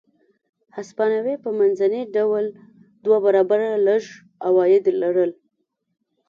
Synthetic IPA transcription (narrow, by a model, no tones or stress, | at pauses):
haspɑnawepəmanzaniɖawl | d̪wabaɾɑbaɾaləʒ | awɑjɪd̪laɽəl